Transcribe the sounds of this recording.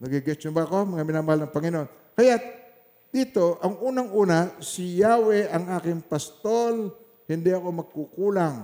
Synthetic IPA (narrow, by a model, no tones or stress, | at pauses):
nɐɡiɡɛst̪jonbaɐko̞mɐŋamɪnaːmɐhalnɐŋpɐŋɪnoʔon | kɐjat̪ | d̪̥iːt̪oʔɐŋʔuːnɐŋʔuːnasɪjaːwɛʔɐŋaːkɪŋpɐst̪ol | hɪnd̪iɐko̞mɐɡ̚kukuːlaŋ